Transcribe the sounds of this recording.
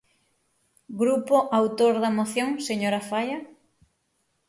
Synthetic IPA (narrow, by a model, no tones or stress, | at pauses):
ɡɾupoʔawt̪oɾðɐmoθjoŋseɲoɾafajɐ